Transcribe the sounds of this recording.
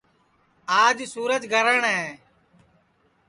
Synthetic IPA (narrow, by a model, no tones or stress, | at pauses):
aːd͡ʒsuːɾəd͡ʒɡʱəɾəɳɦɛː